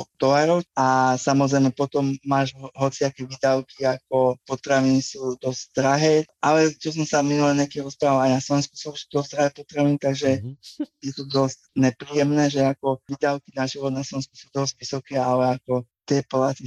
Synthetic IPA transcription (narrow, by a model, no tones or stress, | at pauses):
ɔd̪̥ɔlaɾɔʊasamɔzɾɛjmɛpɔt̪ɔmːaːʒɦɔt͡siakɛːʋiːd̪aʊkiakɔpɔt̪ɾaʋinisuːd̪ɔzd̪ɾaɦɛːʔalɛt͡ʃɔs̬ɔmsaminulɛɲɛkimɾɔspɾaʋalajnaslɔʋɛnsku̥sɔusu̥d̪ɔzd̪ɾaɦɛːpɔt̪ɾaʋinit̪aɡʒɛjɛt̪ud̪ɔzcɲɛpɾiːjɛmnɛːʒɛakɔʋiːd̪aʊkinaʒiʋɔd̪naslɔʋɛnskusud̪ɔzɟʋisɔkɛːalɛakɔt̪ɪɛpɔlat̪i